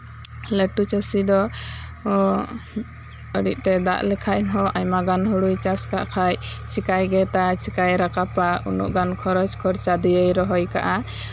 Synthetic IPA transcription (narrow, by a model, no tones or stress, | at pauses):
ləʈut͡ʃəsid̪ɔ | əɽic̚ˀt̪ɛd̪a̰ʔlɛkʰaʔnɦɔʔajmaɡanɦuɽujt͡ʃaskaʔkʰajt͡ʃikajɡɛt̪at͡ʃikajɾakapaṵnṵʔɡankʰɔɾɔd͡ʒkʰɔɾt͡ʃad̪ijəjɾɔɦɔjka̰ʔa